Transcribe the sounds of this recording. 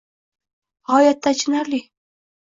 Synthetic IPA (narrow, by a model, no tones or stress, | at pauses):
hɒjat̪ʰːat͡ʃʰɪnaɾli